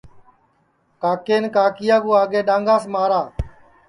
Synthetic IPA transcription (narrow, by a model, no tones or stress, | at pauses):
kaːkeːnkaːkɪjaːɡuːaːɡeːɗãːŋɡaːsmaːɾaː